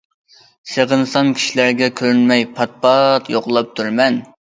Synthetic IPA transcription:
seʁənsɑmkʲʰi̥ʃilæɾɡʲɛkʲʰøɾynmɛjpʰɑt̪̚pɑt̪joqlˠɑp̚t̪ʰuɾmɛn

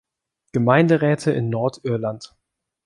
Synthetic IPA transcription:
ɡ̥əmaɪndəʁɛːtʰəʔɪ̰nːɔɐtʔɪɐlant

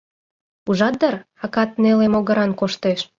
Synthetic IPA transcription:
uʒɑt̪̚d̪ər | ɑkɑt̪nelemoɣəɾɑnkoʃt̪eʃ

